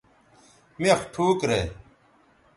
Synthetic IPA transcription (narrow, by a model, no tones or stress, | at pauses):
mexʈʰuːkɾe